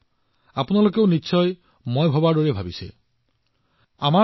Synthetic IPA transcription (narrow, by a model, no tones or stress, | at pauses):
apʊnalokeʊniːsʰɔj | mɔjbʱɔbadoɹebʱabisɛ̰ | ama